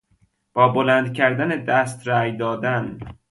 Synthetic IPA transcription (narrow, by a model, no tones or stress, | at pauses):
b̥ɒːbolænd̪cʰæɾd̪æned̪æst̪ɾæjd̪ɒːd̪æn